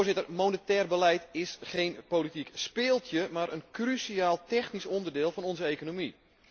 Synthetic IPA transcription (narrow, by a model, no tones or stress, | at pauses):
rzɪtərmonətɛːrbəlɛjtɪsχejnpolitikspɪːlˠtjəmaɾʔənkrysiaːlˠtɛxnisɔndərdɪːlˠfɔnɔnzəejkonomi